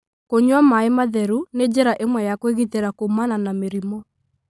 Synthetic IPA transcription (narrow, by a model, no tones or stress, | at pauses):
koɲwamaemaðɛɾuned͡ʑɛɾaʔemwɛjakweɣiteɾakomananameɾimɔ